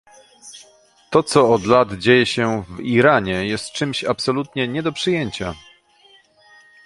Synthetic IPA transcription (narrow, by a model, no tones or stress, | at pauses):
t̪ɔt̪sɔːd̪lad̪d͡ʑejɛɕɛviɾaɲɛjɛst̪̚t͡ʂɘmɕapsɔlut̪ɲɛɲɛd̪ɔpʂɨjeɲt͡ɕa